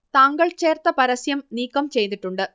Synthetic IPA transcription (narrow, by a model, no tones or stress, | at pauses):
t̪aːŋɡɐɭt͡ɕeːrt̪ɐpɐɾɐsjɐmniːkːɐmt͡ɕejt̪iʈːuɳɖɨ